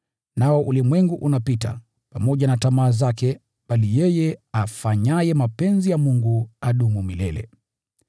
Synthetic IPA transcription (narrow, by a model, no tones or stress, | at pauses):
naɔʔulimwɛŋɡuʔunapita̰ | pamɔʄanatamaːzakɛ | ɓalijɛjɛafaɲajɛmapɛnzijamuŋɡuaɗumumilɛlɛ̰